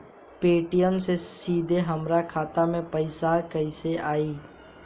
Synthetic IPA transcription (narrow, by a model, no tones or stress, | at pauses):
peːʈɪjəmsesiːd̪ʱeɦəmɾakʰaːt̪amẽpəɪsaːkəɪseʔaːiː